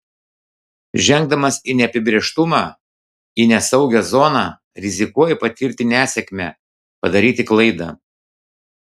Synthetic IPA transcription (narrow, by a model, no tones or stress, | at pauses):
ʒʲɛŋɡd̪ɐmɐsinʲɛɐpʲɪbʲɾʲeːʃt̪ʊmɑ | inʲɛsɒʊɡʲɛzɔnɑː | ɾʲɪzʲɪkuɔjɛpɐt̪ʲɪɾʲt̪ʲɪnʲæːsʲɛkʲmʲɛ | pɐd̪ɐɾʲiːt̪ʲɪklˠɐɪd̪ɐ̰ː